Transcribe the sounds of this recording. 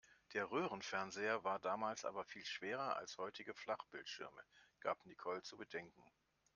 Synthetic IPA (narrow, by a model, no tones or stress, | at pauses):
d̥eːɐʁøːʁənfɛɐnzeːɐvaːɐdaːmaːlsʔa̰ːbɐfiːlʃv̥eːʁɐʔa̰lshɔʏtʰɪɡəflaχb̥ɪltʃɪ̰ɐməɡ̥a̰ːpnikʰɔlt͡subədɛŋkŋ̩